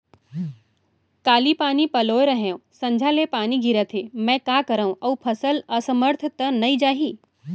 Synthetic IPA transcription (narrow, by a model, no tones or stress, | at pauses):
kaːlipaːnipɐloːɾɐɦẽõsɐ̃ɲd͡ʒʱalepaːniɡʱiɾət̪ʰemɛ̃ːkaːkəɾaũʔɐupʰɐsəlɐsəməɾt̪ʰt̪ənɐid͡ʒaːɦiː